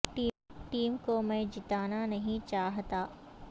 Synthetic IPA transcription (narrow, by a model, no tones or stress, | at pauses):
ʈiːʈiːmkomẽd͡ʒɪt̪aːnanɐɦĩt͡ʃaːɦt̪aː